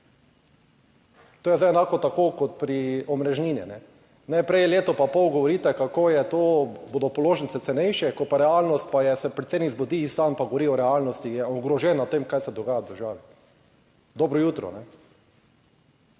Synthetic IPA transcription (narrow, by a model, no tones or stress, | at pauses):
t̪oːjɛzajɛnaːkɔt̪akoːkɔt̪̚pɾiɔmɾɛʒniːnḭnɛ | nɛpɾɛjleːt̪ɔpapɔwɡɔʋɔɾiːt̪ɛkakoːjɛt̪oːbod̪ɔpɔloːʒnsɛt̪sɛnɛjʃɛkɔt̪paɾɛalnɔst̪̚pajɛsɛpɾɛt̪senizbod̪isampaɡoʋoɾiɔɾɛalnɔst̪ijɛɔɡɾɔʒɛːnat̪emkajsɛd̪ɔɡaːjad̪əɾʒaːʋi | d̪ɔːbɾɔjuːt̪ɾɔ̰nɛ